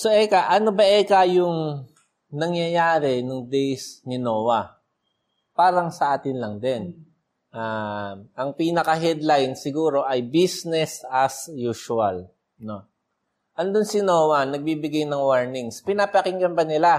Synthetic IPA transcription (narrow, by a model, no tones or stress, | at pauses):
soʔɛkɐʔɐnobɐʔɛːkɐjʊŋ | nɐŋjɐjaːɾɛnʊŋd̪ɛjsnɪno̞wɐ | paːɾɐŋsɐʔaːt̪ɪnlɐŋd̪ɛn | ʔaʔɐŋpiːnɐkɐɦɛd̪lajnsɪɡuːɾo̞ʔɐjbisnɛsɐsjuʃʊɐl | no̞ | ʔɐnd̪onsɪnoːwɐnɐɡ̚bibɪɡajnɐŋwaɹnɪŋspɪnapɐkɪŋkɐnbɐnɪla